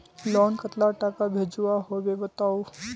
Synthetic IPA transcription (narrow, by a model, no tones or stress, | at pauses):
lɔnkət̪laʈakabʱed͡ʒuaɦobebət̪aw